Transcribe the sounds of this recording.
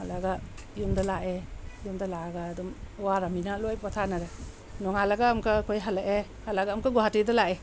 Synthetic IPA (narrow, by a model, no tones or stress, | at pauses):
alaɡajumdalaʔejumdalaɡaːdɔmwaɾaminalojpatʰanaɾa | nɔŋalaɡaːmkʰakʰojɦalaʔe | halaɡaːmkʰaɡuɦatidalaʔe